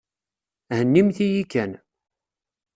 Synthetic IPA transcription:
hənːimθijikːæn

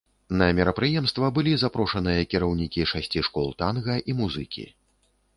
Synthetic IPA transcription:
nɐmʲɛɾɐpɾɨjɛmst̪vɐbɨlʲizapɾɔʂɐnɨjɐkʲiɾɐwnʲikʲiʂasʲt͡sʲiʂkɔlˠt̪anɣɐʔimuzɨkʲḭ

